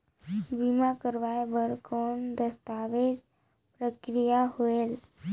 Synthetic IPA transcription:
bimãkəɾʋaebəɾkond̪əst̪aʋed͡ʒ | pɾəkɾijaɦoel

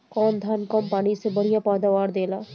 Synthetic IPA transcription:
kɔːnd̪ʱaːnkɐmpaːɽisebɐɽijapaːd̪aʋaːɾd̪eːlaː

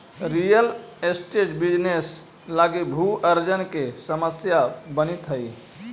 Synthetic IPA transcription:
ɾijəlesʈed͡ʒbid͡ʒnes | laɡibʱuʔəɾd͡ʒənkesəməsjabənit̪ɦəj

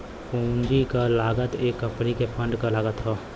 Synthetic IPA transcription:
pũːnd͡ʒikalaːɡət̪eːkːə̃mpnikepʰə̃ɳɖkalaːɡət̪ɦoː

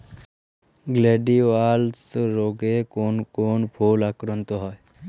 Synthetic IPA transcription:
ɡleɖiʋalsɾoɡekoːnkoːnpʰuːlakɾənt̪oɦɔe

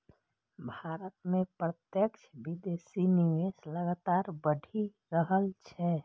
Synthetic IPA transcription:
bʱaɾət̪mẽpɾət̪jəkt͡ʃʰbid̪esiniwesləɡat̪aɾbəɖʱi | ɾəɦəlt͡ʃʰɛ

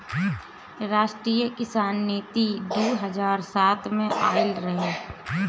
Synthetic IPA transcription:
ɾaːʃʈɾijəkɪsaːnːiːt̪id̪oːɦəd͡ʒaːɾsaːt̪ʰmẽʔaːɪlɾəɦeː

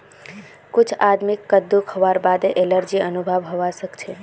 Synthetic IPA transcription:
kʊt͡ʃʰad̪mikːəd̪ːukʰəʋaɾbad̪eʔeləɾd͡ʒiənubʱəʋɦəʋasəkt͡ʃʰe

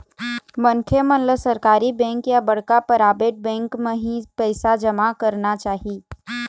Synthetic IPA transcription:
mɐnkʰemɐnləsɐɾkaːɾibɛ̃ːŋkjabɐɽ̤kapɐɾaːbeʈ̚bɛ̃ːŋkmẽɦĩpɛːsad͡ʒɐmakɐɾnat͡ʃaːɦiː

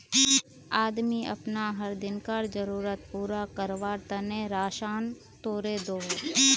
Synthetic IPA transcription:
aːd̪miɐ̰pnaɦəɾd̪ɪnkaɾd͡ʒəɾuːɾət̪̚puːɾakəɾʋaːɾt̪ənẽːɾaːʃaːn | t̪oːɾeːd̪oː

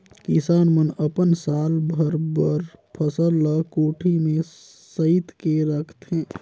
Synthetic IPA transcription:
kɪsaːnmənəpənsaːlbʱəɾbəɾpʰəsəlːakoːʈʰimẽ | səɪt̪keɾəkʰt̪ɦɛ̃ː

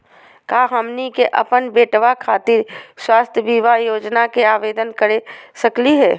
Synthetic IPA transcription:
kaːɦəmnikeʔɐpənbeːʈʋakʰaːt̪iːɾswaːst̪ʰjəbiːʋajoːd͡ʒnakeaːʋeːd̪ənkəɾesɐkliɦɛː

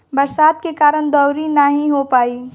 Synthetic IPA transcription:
bɐɾsaːd̪̚kekaːɾəñd̪ɔʊɾinəɦĩɦopaːiː

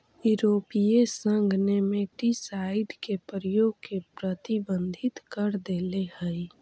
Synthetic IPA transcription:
juɾoːpijesə̃ŋɡʱnemeʈisaɪɖkepəɾəjoɡ̚kepɾət̪ibə̃nd̪ʱɪt̪kəɾd̪elehəi

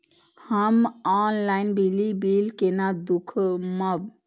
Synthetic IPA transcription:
həmɔnlainbilibilkenad̪ukʰməb

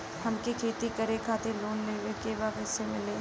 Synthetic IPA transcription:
hɐmkikʰeːt̪ikɐɾekʰaːt̪eloːnleːʋekeːbaːpɛsemɪleː

